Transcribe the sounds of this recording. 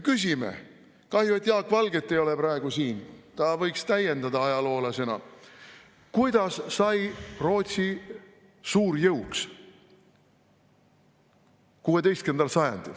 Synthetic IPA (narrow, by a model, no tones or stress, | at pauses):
kys̬ʲimḛ | kɑhjuet̪ːˑjɑːkvɑlɡe̞t̪ːejo̞le̞pɾɑe̞ɡ̥usiːnt̪ɑvɤjkst̪æjːe̞nd̪ɑd̪ɑɑjɑlo̞ːlɑse̞nɑ̰ | kujd̪ɑsːɑjro̞ːt̪ʲsi | suːɾjɤwks | kuːe̞d̪e̞jst̪ke̞nd̪ɑlsɑjɑ̰nd̪̥ḭl